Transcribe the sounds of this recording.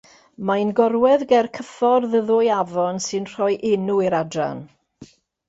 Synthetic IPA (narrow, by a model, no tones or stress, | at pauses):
manɡɔɾwɛðɡɛrkʰəfɔrðəðʊjavɔnsɨnr̥ɔjʔɪnuiɾadra̰n